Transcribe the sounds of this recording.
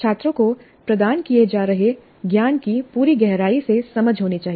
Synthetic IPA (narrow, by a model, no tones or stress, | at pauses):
t͡ʃʰaːt̪ɾõko | pɾɐd̪aːnkijed͡ʒaːɾɐɦe | ɡjaːnkipuːɾiɡɛɦɾaːisesɐməd͡ʒʱɦoːnit͡ʃaːɦi